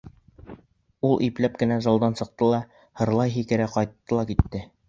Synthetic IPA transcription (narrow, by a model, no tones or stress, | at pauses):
ulˠʔiplæp̚kɘ̆næzɑlˠd̪ɑnsɤ̆q̚t̪ɤlˠɑ | hɤ̆ɾlˠɑjɦikɘ̆ɾæqɒjt̪ːɤlˠɑkit̪ːɘ